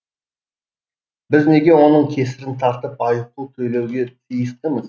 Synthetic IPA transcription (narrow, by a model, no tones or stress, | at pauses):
bɪzne̞ɡʲe̞wo̞nəɴkʲʰe̞sɪɾɪnt̪ʰɑɾt̪əpɑjəq̚t̪uwt̪ʰɵjle̞wɡʲe̞t̪ʰijəst̪əməz